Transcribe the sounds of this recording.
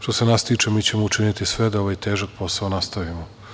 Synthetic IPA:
ʃt̪o̞se̞nast̪iːt͡ʃe̞miːt͡ɕe̞mout͡ʃinit̪isʋe̞d̪aoʋajt̪e̞ːʒak̚po̞saonast̪aʋimo

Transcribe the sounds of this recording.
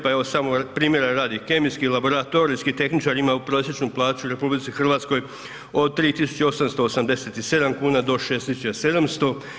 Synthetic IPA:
paeʋosamopɾiːmje̞ɾaɾaːd̪ike̞mijskilabo̞ɾat̪o̞ɾiskit̪e̞xnit͡ʃaɾimaupɾo̞ːsje̞t͡ʃnuplˠaːt͡ʃuɾe̞publitsixr̩ʋaːt̪sko̞j | o̞d̪̚t̪ɾiːt̪isu̥t͡ɕeo̞samst̪o̞osamd̪e̞set̪ise̞d̪amkuːnad̪o̞ʃeːst̪isut͡ʃse̞d̪amst̪o̞

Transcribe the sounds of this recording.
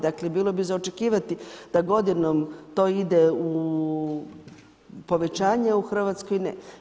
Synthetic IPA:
d̪aklebiːlˠo̞bizaot͡ʃe̞kiːʋat̪id̪̥aɡo̞d̪inomt̪o̞ːid̪eu | po̞ʋe̞t͡ʃaːɲeuxr̩ʋat̪skojnḛ

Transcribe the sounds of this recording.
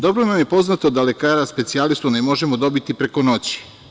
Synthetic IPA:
d̪o̞bɾonamje̞po̞znat̪od̪ale̞kaːɾaspe̞t̪sialist̪unemo̞ʒe̞mo̞d̪o̞bit̪ipɾe̞ko̞no̞t͡ɕi̥

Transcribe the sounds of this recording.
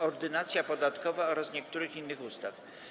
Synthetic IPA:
ɔɾd̪ɘnat̪sʲjapɔd̪at̪kɔvaɔɾasɲɛkt̪uɾɘxinːɘxust̪af

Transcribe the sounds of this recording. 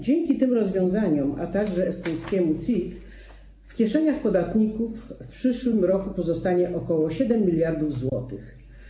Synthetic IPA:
d͡ʑɛŋkʲit̪ɘmɾɔzvʲjɔ̃w̃zaɲɔma̰t̪aɡʐɛːst̪ɔj̃skʲɛmut̪sʲit̪ | fkʲɛʂɛɲaxpɔd̪at̪ɲikufpʂɘʂwɘmɾɔkupɔzɔst̪aɲɛʔɔkɔwɔɕɛd̪ɛmːʲilʲjaɾd̪uvzwɔ̰t̪ɘx

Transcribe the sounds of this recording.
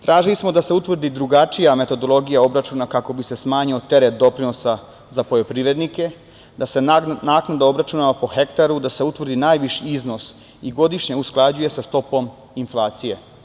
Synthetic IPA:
t̪ɾaːʒilismo̞d̪ase̞ut̪ʋrd̪id̪ɾuɡat͡ʃijame̞t̪o̞d̪o̞lˠo̞ɡijao̞bɾat͡ʃunakako̞bise̞smaːɲio̞t̪e̞ɾet̪̚d̪o̞pɾino̞sa | zapo̞jo̞pɾiʋɾe̞d̪nike̞ | d̪ase̞naːknad̪ao̞bɾat͡ʃunaapo̞xe̞kt̪aɾud̪ase̞ut̪ʋr̩d̪inaːjʋiʃiizno̞s | iɡo̞d̪iʃɲe̞usklˠad͡ʑuje̞sast̪o̞po̞m | inflˠaːt̪sije̞

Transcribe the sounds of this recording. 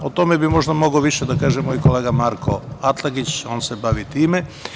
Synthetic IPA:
ot̪o̞mebimo̞ʒd̪amo̞ɡoʋiʃed̪akaːʒemoːjkoleːɡamaɾkʰo̞at̪lˠaɡit͡ɕo̞ːnsebaʋit̪iːme

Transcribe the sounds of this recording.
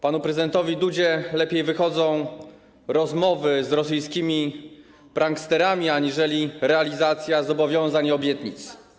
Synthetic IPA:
panupɾɛzɘd̪ɛnt̪ɔvʲid̪ud͡ʑɛlɛpʲjejvɘxɔd̪zɔ̃w̃ | ɾɔzmɔvɘzɾɔs̬ɘjskʲimʲi | pɾaŋkst̪ɛɾamʲiaɲiʐɛlʲiɾɛalʲizat̪sʲjazɔbɔvʲjɔ̃w̃zaɲɔbʲjɛt̪ɲit̪s

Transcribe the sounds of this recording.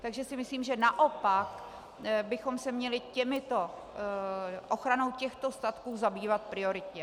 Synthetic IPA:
t̪aɡʒɛsɪmɪsliːmʒɛnaʔo̞pak | bɪxo̞msɛmɲɛlɪcɛmɪt̪o̞ | ʔo̞xɾano̞wcɛxt̪o̞st̪at̪kuːzabiːvat̪̚pɾɪo̞ɾɪt̪ɲɛ

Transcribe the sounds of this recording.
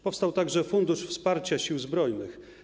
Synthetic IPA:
pɔfst̪awt̪aɡʐɛfund̪uʂfspaɾt͡ɕaɕiwzbɾɔjnɘx

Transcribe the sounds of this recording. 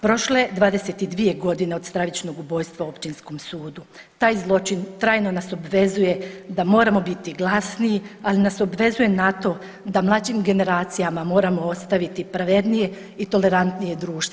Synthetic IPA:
pɾo̞ʃled̪ʋaːd̪e̞set̪id̪ʋije̞ɡo̞d̪ine̞o̞d̪st̪ɾaʋit͡ʃno̞ɡubo̞ːjst̪ʋao̞pt͡ʃinsko̞msuːd̪u | t̪aːjzlˠo̞t͡ʃint̪ɾaːjno̞naso̞bʋe̞zuje̞d̪amo̞ːɾamo̞bit̪iɡlˠasniialinaso̞bʋe̞zuje̞nat̪o̞ | d̪amlˠad͡ʒimɡe̞ne̞ɾaːt̪sijamamo̞ːɾamo̞ost̪aʋit̪ipɾaʋe̞d̪nije̞ | it̪o̞le̞ɾant̪nije̞d̪ɾuːʃt̪e

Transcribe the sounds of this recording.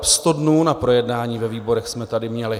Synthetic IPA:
pst̪o̞dnuːnapɾo̞jɛdnaːɲiːvɛviːbo̞ɾɛxsmɛt̪adɪmɲɛlɪ

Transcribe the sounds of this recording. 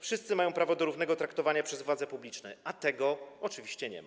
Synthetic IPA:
fʂɘst̪sɘmajɔ̃w̃pɾavɔd̪ɔɾuvn̪ɛɡɔt̪ɾakt̪ɔvaɲapʂɛzvwad̪zɛpublʲit͡ʂnɛ̰at̪ɛɡɔɔt͡ʂɘvʲiɕt͡ɕɛɲɛ̰ma

